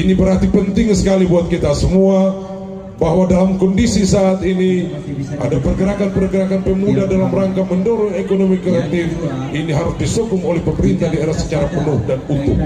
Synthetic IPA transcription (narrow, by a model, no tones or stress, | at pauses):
inibərhat̪ipənt̪ɪŋsə̥kalibuat̪̚kit̪asəmua | baɦwadalamkɔndisisaʔːt̪ini | ʔa̰dapərɡəɾakanpərɡəɾakanpəmudadalamraŋkaməndoɾʊnekonomikɾeat̪ɪf | iniɦaɾʊsdisokʊŋolɛhpəməɾint̪ahdieɾasə̥t͡ʃaɾapənʊhdanut̪ʊp̚